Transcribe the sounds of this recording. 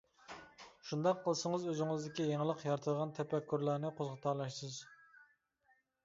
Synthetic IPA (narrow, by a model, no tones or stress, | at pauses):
ʃund̪ɑqʰːəlˠsəŋəzøzɪŋɨzd̪ɪkʲijeŋəlˠəqjɑɾt̪ʰəd̪əʁɑnt̪ʰɛpɛkʲːyɾlˠæɾnɪqʰozʁət̪ʰɑlˠɑʃsɨz